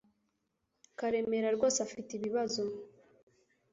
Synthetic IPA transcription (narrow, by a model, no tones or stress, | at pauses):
kaɾe̞me̞ɾaɾɡo̞ːsafitiβiβazo